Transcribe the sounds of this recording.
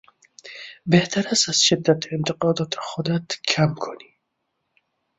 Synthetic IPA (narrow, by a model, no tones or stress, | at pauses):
beht̪ʰaɾasaz̥ʃɪd̪ːat̪ʰent̪ʰɪqɒːd̪ɒːt̪ʰe̥xod̪at̪kʰamkʰoni̥